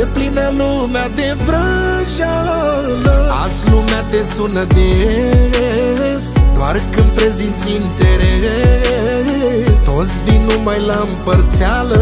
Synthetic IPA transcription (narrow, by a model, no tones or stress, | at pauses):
eplinalumad̪evɾəʃaləaslumad̪esunəd̪eɾeɾe | d̪oarkɨnpɾezint͡sint̪eɾeɾeɾe | t̪ot̪sʲvinumajlampəɾt̪sealə